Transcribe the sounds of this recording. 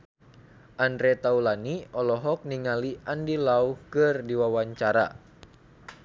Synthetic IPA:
ʔandɾɛt̪aulaniɔlɔɦɔk̚niŋaliʔandilauhkɨrdiwawaɲt͡ʃaɾa̰

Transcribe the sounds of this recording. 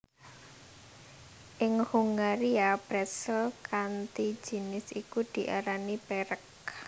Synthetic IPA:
ʔɪŋhuŋɡaɾiab̥ɾasəlkant̪id̥d͡ʒ̥i̤nɪsikud̪̥i̤ʔaɾanipɛɾək̚

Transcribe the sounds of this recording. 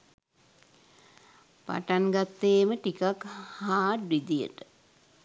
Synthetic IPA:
pa̰ʈaŋɡat̪ːeːməʈikakhaːʈʋid̪ijə̰ʈə

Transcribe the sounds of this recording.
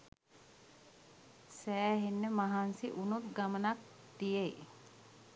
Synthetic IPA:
sæːɦenːəmaɦansiʔunut̪ɡamənak̚ | d̪ijej

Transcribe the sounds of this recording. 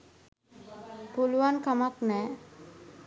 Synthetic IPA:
puluwankamaknɛ

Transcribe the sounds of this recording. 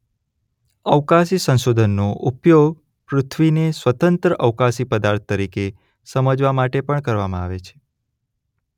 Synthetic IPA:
əʋkasisə̃nʃod̪ʱənːoʔupjoɡ̚ | pɾʊt̪ʰʋinesʋət̪ənt̪ɾəʔəʋkasipəd̪aɾt̪̚ʰːəɾike | səməd͡ʒʋamaʈepəɳkəɾʋamãa̰ʋet͡ʃʰe̥

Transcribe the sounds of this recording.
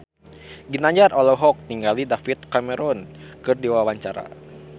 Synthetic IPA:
ɡinaɲd͡ʒarɔlɔɦɔk̚t̪iŋɡalidafit̪̚kamɛɾɔnkɨrdiwawaɲt͡ʃaɾa̰

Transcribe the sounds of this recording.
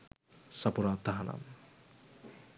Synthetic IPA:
sapoɾaːt̪ːaɦana̰m

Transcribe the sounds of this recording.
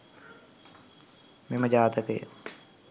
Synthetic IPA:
meməd͡ʒaːt̪əkəjə̰

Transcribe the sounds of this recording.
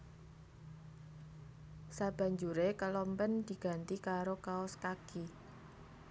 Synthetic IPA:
sab̥a̤ɲd͡ʒuɾekəlɔmpənd̪̥i̤ɡ̥a̤nt̪ikaɾokaɔskaki

